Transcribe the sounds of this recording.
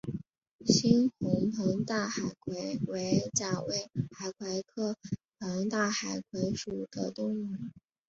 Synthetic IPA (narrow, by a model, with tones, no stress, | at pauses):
ɕi˥nxʊ˧˥ŋp̪ʰɤ˧˥ŋt̪a˥˩xa˨˩ɪkʰwe˧˥ɪwe˧˥ɪt͡ɕja˨˩we˥˩ɪxa˨˩ɪkʰwa˧˥ɪkʰɤ˥˩pʰə˧˥ŋt̪a˥˩xa˨˩ɪkʰwe˧˥ɪʂu˨˩d̪̥ə̰˦t̪ʊ˥˩ŋ̩˧˥